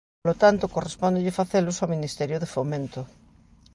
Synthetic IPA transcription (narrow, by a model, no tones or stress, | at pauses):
olot̪ant̪okorespɔ̃nd̪eʎɪfaθelosaminist̪ɛɾjoðefomẽnt̪o